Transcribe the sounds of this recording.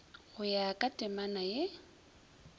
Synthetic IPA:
ɣʊjakʼatʼɪmanaje

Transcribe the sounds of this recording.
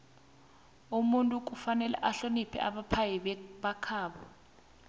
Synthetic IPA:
umuntʼuk̬ʼufanɛlɛ̰ʔaɬonipʰɛ̰ʔaɓapʰajɛɓakʰaːɓɔ

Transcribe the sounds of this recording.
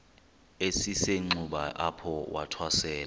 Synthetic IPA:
esiseŋ͡ǀuɓaʔapʰɔwʔa̰tʰwasɛːla

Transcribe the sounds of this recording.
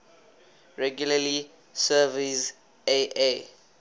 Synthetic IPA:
ɹɛɡjulali | sɛvis | eʔe

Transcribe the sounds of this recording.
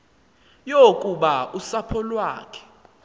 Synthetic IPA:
jokʼuɓausapʰɔlwaːkʰɛ̥

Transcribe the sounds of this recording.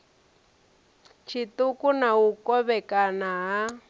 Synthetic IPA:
t͡ʃʰitukunaukɔβɛkanaɦa

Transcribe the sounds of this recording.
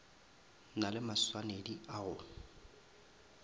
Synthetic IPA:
nalɪmaswanediaɣʊ

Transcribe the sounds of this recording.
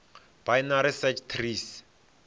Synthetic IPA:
b̥aɪnaɾisɛt͡ʃt̪ʰriːs

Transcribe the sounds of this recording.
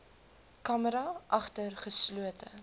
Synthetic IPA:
kɐməɾɐʔɐχtərχəsluətə

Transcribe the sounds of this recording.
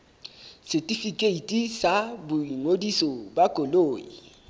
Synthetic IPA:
sɛtʼifikʼeitʼisabʊiŋodisɔbakʼoloːjḭ

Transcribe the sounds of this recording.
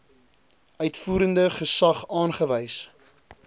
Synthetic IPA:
œɥtfuːɾəndəχəsɐχɑːnχəvɛjs

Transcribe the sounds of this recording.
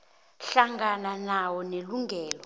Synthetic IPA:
ɬaŋɡananawɔneluŋʱɛːlɔ

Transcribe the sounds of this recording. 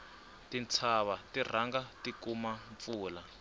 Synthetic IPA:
tint͡sʰaβatir̤aŋɡatikumaɱp̪fuːla

